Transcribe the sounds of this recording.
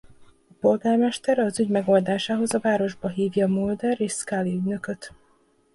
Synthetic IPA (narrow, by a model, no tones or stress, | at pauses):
ɒpo̞lɡaːrmɛʃt̪ɛɾɒzyɟmɛɡo̞ld̪aːʃaːɦo̞zɒvaːɾo̞ʒbɒɦiːvjɒːmuld̪ɛriskaːliyɟnø̞køt̪